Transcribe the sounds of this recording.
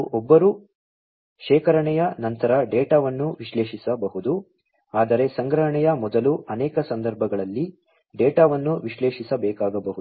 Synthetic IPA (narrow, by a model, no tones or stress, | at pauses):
ʔɔbːɐɾu | ʃɛːkɐɾɐɳɛjɐnɐnt̪ɐɾɐɖɛːʈaːʋɐnːuʋiʃleːʃisɐbɐɦud̪u | aːd̪ɐɾe̞sɐŋɡɾɐɦɐɳɛjɐmɔd̪ɐluʔɐnɛːkɐsɐnd̪ɐɾbʱɐɡɐɭɐlːi | ɖeːʈaːʋɐnːuʋiʃleːʃisɐbɛːkaːɡɐbɐɦu